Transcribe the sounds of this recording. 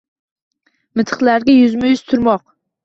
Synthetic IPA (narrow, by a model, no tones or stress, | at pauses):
mɪt̪ʰɨ̥χlˠaɾɡʲajʊzmajʊzt̪ʰʊɾmɒq